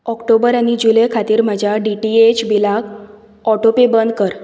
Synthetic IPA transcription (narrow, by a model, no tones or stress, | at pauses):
ɔkʈobəɾañid͡ʑulejkʰat̪iːɾm̤əd͡ʑʱjaɖiʈiet͡ɕbilak | ɔʈopebənd̪kəɾ